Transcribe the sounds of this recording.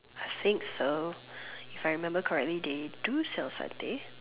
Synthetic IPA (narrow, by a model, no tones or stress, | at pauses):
aɪθɪ̃ŋkso | ifajɹimɛ̃mbəkʰəɹɛk̚tlid̪edusɛlsã̰nt̪ẽ